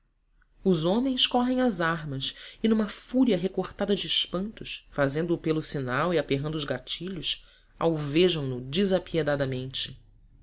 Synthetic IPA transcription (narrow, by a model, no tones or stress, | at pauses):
ʊzõmẽj̃skɔɦẽj̃ɐzaɦmɐsɪnũmɐfuɾiɐɦekoɾt̪ad̪ɐd͡ʒɪːʃpɐ̃nt̪ʊsfazẽnd̪ʊːpelʊsinawiapeɦnd̪ʊzɡat͡ʃiʎʊs | a̰wveʒɐ̃w̃nʊd͡ʒizapied̪ad̪ɐmẽnt͡ʃɪ̥